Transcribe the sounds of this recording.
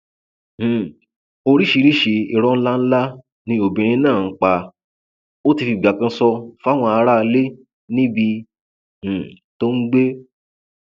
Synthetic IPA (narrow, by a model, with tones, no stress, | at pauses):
h̩˨ | o˧ɾi˦ʃi˧ɾi˦ʃe˨i˨ɾɔ˧ñ̩˦la˦n̩˦la˦ | nĩ˧o˨bĩ˨ɾ̃ĩ˧˦nãː˦˨ŋ̩˦k͡pa˧ | o˦ti˧fi˧˨ɡ͡ba˨kã˧˦sɔ˧fa˦w̃ɔ̃˧a˧ɾa˦˧le˦ | nĩ˦bi˧ | h̩˨ | to˦n̩˦ɡ͡be˦